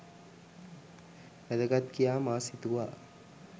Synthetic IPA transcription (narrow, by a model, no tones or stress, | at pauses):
ʋæd̪əɡat̪kijaːmaːsit̪uʋaː